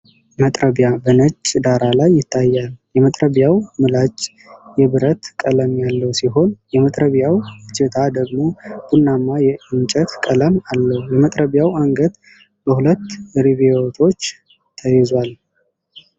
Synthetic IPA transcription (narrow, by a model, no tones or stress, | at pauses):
mət̪ʼɾəβjabənət͡ʃʼːd̪aɾalajːɪt̪ʰːajːaljɛmət̪ʼɾəβjawmɨlat͡ʃː | jɛβɨɾət̪kʼələmjalːəwsiɦo̞njɛmət̪ʼɾəβjawt͡ʃːɪt̪ʰad̪əɡmo̞b̥unːamːajɛʔɨnt͡ʃʼət̪kʼələmalːəhjɛmət̪ʼɾəβjawaŋɡət̪ | bəhulət̪ːɾiβewot̪ʰo̞t͡ʃː | t̪ʰəjɛzwal